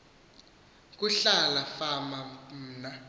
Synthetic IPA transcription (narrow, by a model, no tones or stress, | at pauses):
k̬ʼuɬalafamam̩ːna